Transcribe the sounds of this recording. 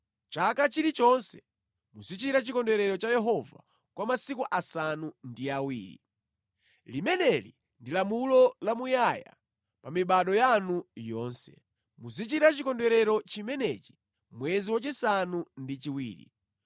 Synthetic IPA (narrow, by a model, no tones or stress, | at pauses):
t͡ʃakat͡ʃiɾit͡ʃɔnsɛ | muzit͡ʃiɾat͡ʃikɔndɛɾɛɾɔt͡ʃajɛɦɔva̰ | kwamasikuʔasanundiawḭːɾḭ | limɛnɛlḭ | ndilamulɔlamujaja̰ | pamiɓaɗɔjanujɔːnsɛ̰ | muzit͡ʃiɾat͡ʃikɔndɛɾɛɾɔt͡ʃimɛnɛt͡ʃi̥ | mwɛziwat͡ʃisanundit͡ʃiwḭːɾḭ